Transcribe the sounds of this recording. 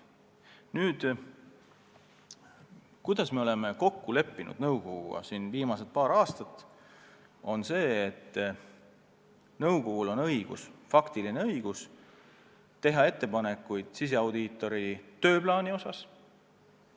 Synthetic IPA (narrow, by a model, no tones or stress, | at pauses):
nyːd̪̥ | kujd̪̥ɑsme̞o̞le̞me̞ko̞kːule̞pːinṵd̪̥nɤwko̞ɡṵɑ̰sinviːmɑse̞t̪̚pɑːɾɑːst̪ɑt̪ːˑ | o̞nse̞ːt̪ː | nɤwko̞ɡ̥ulo̞nɤ̞jɡ̥ṵsfɑkt̪ilineɤjɡ̥us | t̪e̞ɦɑe̞t̪ːe̞pɑne̞kːˑujd̪̥sis̬e̞ɑwd̪̥it̪ːˑo̞ɾit̪ø̞ːplɑːnio̞sɑs